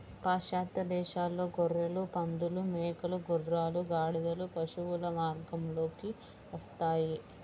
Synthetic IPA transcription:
paːʃaːt̪ɐd̪ɛːʃaːlːo̞ːɡɔɾːɐlupɐnd̪ulumɛːkɐluɡuɾːaːluɡaːɽid̪ɐlupɐʃuwulɐmaːɾɡɐmlo̞ːki | ʋɐst̪aːji

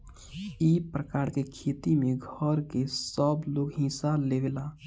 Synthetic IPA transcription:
ipɾəkaːɾkekʰeːt̪imẽɡʱəɾkesəbloːɡɦĩːsaleʋela

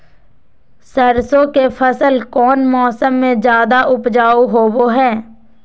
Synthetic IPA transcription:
səɾsõkepʰəsəlkɔːnmɔːsəmːẽd͡ʒjaːd̪aʔʊpd͡ʒaːuɦoːboɦɛː

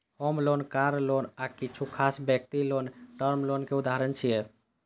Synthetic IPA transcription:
homlonkaɾlonakit͡ʃʰukʰasbjək̚t̪ilonʈəɾmlonkeud̪aɾənt͡ʃʰijɛ

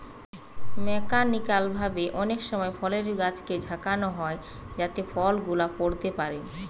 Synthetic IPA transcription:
mɛkaɾnikalbʱabeʔɔnekʃɔmɔefɔleɾɡat͡ɕked͡ʑʱakanoɦɔe | d͡ʑat̪efɔlɡulapoɾt̪epaɾe

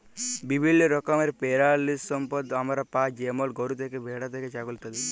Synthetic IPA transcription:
bibʱilːjɔɾɔkɔmeɾpeɾalissɔmpɔd̪amaɾapad͡ʒemɔlɡɔɾut̪ekebʱeɽat̪eket͡ʃaɡult̪ad̪i

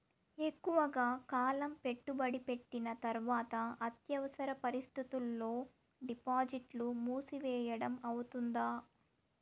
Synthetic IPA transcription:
e̞kːuʋɐɡaːkaːlɐmpe̞ʈːubɐɽipe̞ʈːinɐt̪ɐɾʋaːt̪ɐɐt̪jɐʋɐsɐɾɐpɐɾist̪ʰit̪ulːo̞ː | ɖipaːd͡ʒiʈlumuːsiʋɛːjɐɽɐmɐwut̪und̪aː

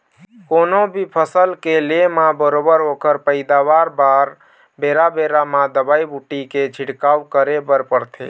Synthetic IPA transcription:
konobʱipʰəsəlkelemabəɾobəɾokəɾpəɪd̪aʋaɾbaɾ | beɾabeɾamãd̪əbaibuʈiket͡ʃʰiɽkawkəɾebəɾpəɾt̪ʰḛ

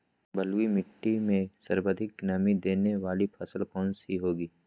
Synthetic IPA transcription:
bəlwimɪʈːimẽsəɾbəd̪ʱɪk̚ɡɪnaːmid̪eːneʋaːlipʰɐsəlkɔːnsiɦoːɡiː

